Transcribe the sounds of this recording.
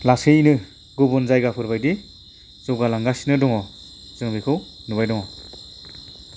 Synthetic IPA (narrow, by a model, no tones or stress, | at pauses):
lasɯjinɯ | ɡɔbɔnzajɡapʰɯɾbajdi | z̥ɔwɡalaŋɡasinɯdɔŋɔ | z̥ɯŋbikʰɯwnuβajdɔŋɔ